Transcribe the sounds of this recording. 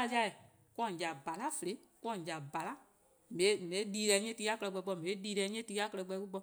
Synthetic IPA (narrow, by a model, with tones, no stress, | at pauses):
a˧˦i˦a˧˨ | kɔ̃˧˨d͡ʒa˨ba˨la˦fə˨e˨˦kɔ̃˧˨d͡ʒa˨ba˨la˦ | mẽ˨˦mẽ˨˦liː˧˦lɛ˧˦ɲɛ̃˦ti˧˦a˦kɜ˧lɛ˧ɡ͡bɛ˧ɡ͡bɔ˧˨mẽ˨˦liː˧lɛ˧˨˦ɲɛ̃˦tiː˧˦a˦kɜ˧ɛ˧k͡pɛ˧˦ku˦k͡pɔ˧